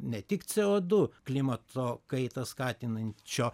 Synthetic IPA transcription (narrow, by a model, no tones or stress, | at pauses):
nʲɛt̪ʲɪkt͡s̪ʲɛoːd̪ʊklʲɪmɐt̪oːkɐɪt̪ɐskɑːt̪ʲɪnɐnʲt͡ʃʲoː